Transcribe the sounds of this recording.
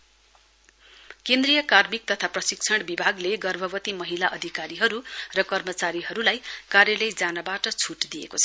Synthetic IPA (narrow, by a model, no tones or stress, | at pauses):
kend̪rijʌkarmik̚t̪ʌt̪ʰaprʌsik̚t͡sʰʌɽbibʱaɡleɡʌrbʱʌbʌt̪imʌɦilaʔʌd̪ʱikaɾiɦʌɾurʌkʌrmʌt͡saɾiɦʌɾulajkaɾjʌlʌjd͡zanʌbaʈʌt͡sʰuʈd̪ijḛkot͡sʰʌ̥